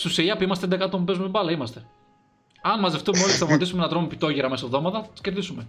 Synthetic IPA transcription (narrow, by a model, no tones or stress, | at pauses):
susiiɐpuimɐst̪eend̪ekɐt̪omupumebɐlɐimɐst̪e̞ | ɐnmɐzeft̪umeo̞list̪ɐvmɐt̪isumenɐt̪ɾomipit̪o̞ʝiɾɐme̞sovðo̞mɐt̪ɐθɐt̪i̥sceɾðisume̞